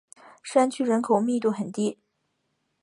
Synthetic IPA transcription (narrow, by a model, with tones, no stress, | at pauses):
ʂa˥nt͡ɕʰy˥˩ɻə˧˥nkʰo˨˩ʊmi˥˧t̪u˥˩xə˨˩nt̪i˥˩